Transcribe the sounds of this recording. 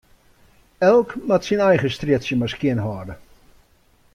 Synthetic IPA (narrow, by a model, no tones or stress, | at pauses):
ɛlˠkmatsinɛjχəstrɪtsjəmaskjɪənɦɔːdə